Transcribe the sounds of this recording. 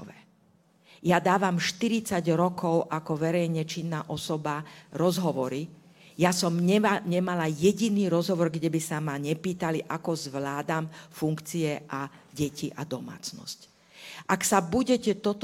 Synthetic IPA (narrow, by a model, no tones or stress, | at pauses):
ʋɛ̰ː | jad̪aːʋamʃt̪iɾit͡saɟɾɔkɔʊʔakɔʋɛɾɛjɲɛt͡ʃinːaːʔɔsɔbaɾɔzɦɔʋɔɾi | jasɔmɲɛɲɛmalajɛɟiniːɾɔzɦɔʋɔɾɡɟɛbisamaɲɛpiːt̪aliʔakɔzʋlaːd̪amfuŋkt͡siɛʔaɟɛciʔad̪ɔma̰ːt͡snɔ̰sc | ʔaksabuɟɛcɛt̪ɔt̪